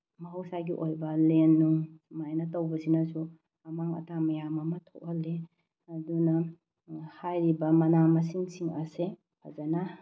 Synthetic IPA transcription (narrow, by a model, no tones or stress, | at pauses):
mɐɦawsajɡiʔojbɐlenːuŋsmajnɐtɐwbɐsinɐsu | ɐmaŋɐ̰tʰamɐjamɐmɐtʰok̚hɐlːe | ɐdunɐ | hajɾibɐmɐnamɐs̬iŋsiŋɐse | pʰazana